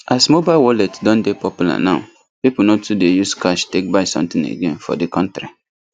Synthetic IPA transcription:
asmobaɪwɔlɛtdɔ̃ndepʰɔpjula̰nãʊ | pipunɔ̃tudejuskʰaʃtek̚baɪsɔ̰̃mt̪ɪ̃nḛɡẽnfɔ̰dikʰɔ̃ntɾi

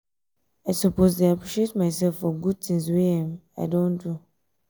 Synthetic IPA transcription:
aɪsupozdeapɹiʃietmaɪsɛlfːɔɡud̚t̪ĩŋswiãmaɪdõndu

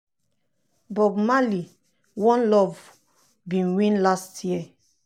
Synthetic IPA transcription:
bɔɡmali | wɔ̃nlɔv | bĩnwĩnlastʰjiə

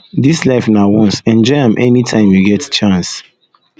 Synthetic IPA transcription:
dislaɪfnawɔ̃nsɛ̃nd͡ʒɔɪãmʔɛnitʰãɪ̃mjuɡɛtt͡ʃãns

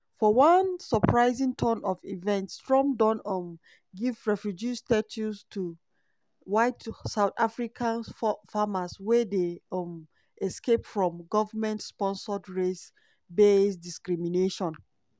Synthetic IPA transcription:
fɔwãnsɔpʰɹaɪzĩŋtʰɔnɔvivɛ̃ntstɹɔ̃mdɔ̃nɔm | ɡivɹɛfɹod͡ʒistat͡ʃustʰu | waɪtsaʊθafɹikʰãnfamaswɛdem | ɛskepfɹɔ̃mɡɔvəmɛ̃ntspɔ̃nsɔdɹes | besdiskɹimineʃɔ̃n

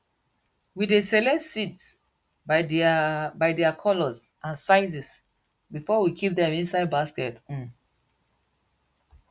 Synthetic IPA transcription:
widesɛlɛsits | baɪdɛakʰɔlɔzʔãnsaɪzis | bifɔwikʰip̚dɛ̃mĩnsaɪd̚baskɛtũn

